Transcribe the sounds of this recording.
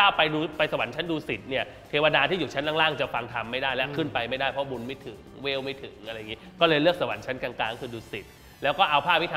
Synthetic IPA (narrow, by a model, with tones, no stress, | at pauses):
aː˥˩wpa˧jduː˧pa˧jsa˧wa˨˩˦nt͡ɕʰa˦˥nduː˧si˨˩t̪̚ni˥˩ɐ | t̪ʰeː˧wa˧daː˧t̪ʰiː˥˩juː˨˩t͡ɕʰa˦˥nt̪ʰaː˥˩ŋlaː˥˩ŋt͡ɕa˨˩fa˧ŋt̪ʰa˧mːa˥˩jdaː˥˩jlɛ˦˥wkʰɯ˥˩npa˧jma˥˩jdaː˥˩jpʰɔ˦˥bu˧nma˥˩jt̪ʰɯ˨˩˦ŋŋwe˦˥wma˥˩jt̪ʰɯ˩˦ŋʔa˧ɾa˧jŋi˦˥kɔː˥˩lɤː˧jlɯ˥˩ək̚sa˧wa̰˨˩˦nt͡ɕʰa˦˥nkaː˧ŋklaː˧ŋkʰɯː˧duː˧si˨˩t̪̚ | lɛː˦˥wkɔː˥˩ʔa˧wpʰaː˥˩p̚wi˦˥t̪ʰː